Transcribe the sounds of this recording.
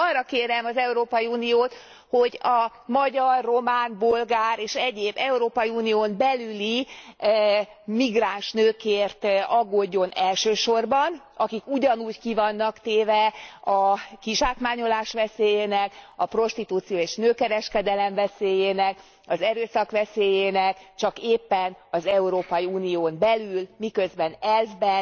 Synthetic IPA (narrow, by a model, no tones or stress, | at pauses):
ɒrːɒkeːɾɛmɒzɛuɾoːpɒjiuːnijoːt̪ | ho̞ɟɒ | mɒɟɒrːo̞maːnbolɡaːɾeːʃɛɟeːbːɛuɾoːpɒjiuːnijoːmbɛlyli | miɡraːnʃnøːkeːrt̪ɒɡːoɟːo̞nɛlʃøːʃo̞rbɒn | ɒkikuɟɒnuːckivɒnːɒkt̪eːvɛɒkiʃaːkmaːɲo̞laːʃʋɛseːjeːnɛkɒpro̞ʃt̪it̪uːt̪sijoːeːʃnøːkɛɾɛʃkɛd̪ɛlɛɱvɛseːjeːnɛk | ɒzɛɾøːsɒkʋɛseːjeːnɛkt͡ʃɒkeːpːɛnɒzɛuɾoːpɒjiuːnioːmbɛlylmikø̞zbɛnɛlvbɛ